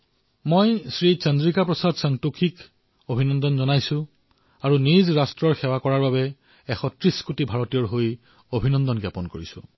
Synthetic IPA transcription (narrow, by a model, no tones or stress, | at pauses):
mojsɹit͡ʃandɹikapɹɔsadsaŋtukʰik | obʱinɔndɔnzɔnajsʊ̃ | aɹunizɹastɹɔɹxɛwakɔɹaɹbabɛ | ɛxɔtɹiskutibʱaɹɔtijɔɹɦoj | obʱinɔndɔnɡjapɔnkoɹisʊ̰̃